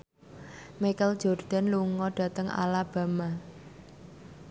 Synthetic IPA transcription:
mikəld͡ʒ̥ɔrd̪̥a̤nluŋɔɖ̥a̤t̪əŋa̰lab̥a̤ma

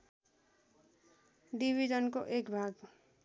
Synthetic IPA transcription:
ɖibʱid͡zʌnkoʔekbʱaɡ

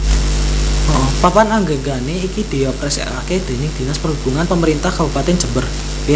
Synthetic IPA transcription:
ɔʔɔpapanaŋɡəŋɡaneikid̪̥i̤ɔpɾɛsɛ̰ʔa̰ked̪̥e̤nɪk̚d̪̥i̤naspərɦub̥ṳŋanpəməɾint̪ahkabupat̪ɛnd͡ʒəbər

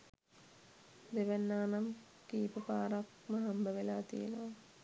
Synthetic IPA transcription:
d̪eʋenːaːnam | kiːpəpaːɾak | məɦambəʋelaːt̪ḭjḛnəʋa

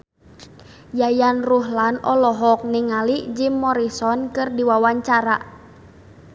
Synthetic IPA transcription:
jajanruɦlanɔlɔɦɔk̚niŋaliʔd͡ʒimːɔɾisɔnkɨrdiwawaɲt͡ʃaɾa̰

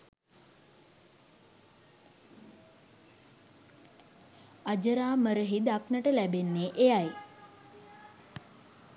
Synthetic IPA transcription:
ad͡ʒəɾaːməɾəɦid̪aknəʈəlæbenːeʔejaj

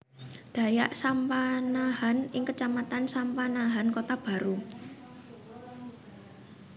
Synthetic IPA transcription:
d̪̥a̤jaʔsampanaɦanɪŋkət͡ʃamat̪ansampanaɦankot̪ab̥a̤ɾu

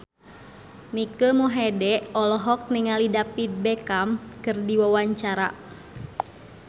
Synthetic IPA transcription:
mikəmɔɦɛdɛɔlɔɦɔk̚niŋalidapit̪̚bɛkamkɨrdiwawaɲt͡ʃaɾa̰

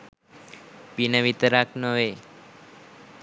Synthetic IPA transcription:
pinəʋit̪əɾaknəʋe

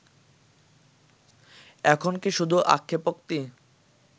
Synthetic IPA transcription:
ɛkʰonkiʃud̪ʱuʔa̰kʰːepokt̪i

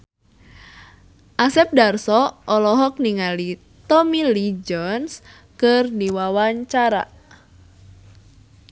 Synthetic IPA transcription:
ʔasɛp̚darsɔʔɔlɔɦɔk̚niŋali | t̪ɔmilid͡ʒɔns | kɨrdiwawaɲt͡ʃaɾa̰

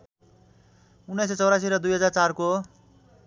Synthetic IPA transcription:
unːʌset͡sʌwɾasiɾʌd̪ujɦʌd͡zart͡sarko

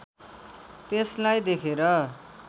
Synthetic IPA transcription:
t̪eslajd̪ekʰeɾʌ

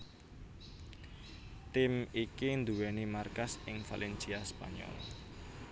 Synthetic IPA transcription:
t̪ɪmikind̪uwɛnimarkasɪŋfa̰lʔɛnsiaspa̰ɲɔ̰l

